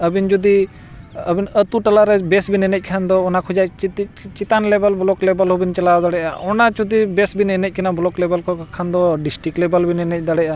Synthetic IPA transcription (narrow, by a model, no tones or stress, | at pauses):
əbind͡ʒud̪i | əbinət̪uʈalaɾɛbɛsbinɛnɛc̚ˀkʰand̪ɔːnakʰud͡ʒact͡ʃit̪ic̚t͡ʃit̪anlɛbəlblɔklɛbəlɦubint͡ʃəlaɔd̪aɽɛʔa̰ʔɔnat͡ʃud̪ibɛsbinɛnɛc̚kɛnablɔklɛbəlkʰɔkʰand̪ɔɖisʈiklɛbəlbinɛnɛc̚ˀd̪aɽɛʔa